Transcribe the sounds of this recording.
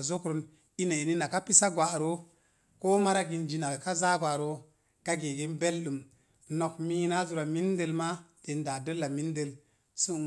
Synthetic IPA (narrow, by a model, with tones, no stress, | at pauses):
zo˦kɾo˨˦n | i˦na˨i˨ni˦na˨ka˦pi˦sa˦ɡwa˨ɾo˦ | ko˦ma˦ɾa˦ɡi˨nd͡ʒi˨na˨ka˦za˦ɡwa˨ɾo˨ | ɡ̥a˦ɡe˨ɡe˦nbe˦lɗu˨m | no˨kmi˦na˦zu˨ɾa˨mi˦nde˦lma˦te˨nda˨də˦lːa˨mi˦n˦de˨l | su˦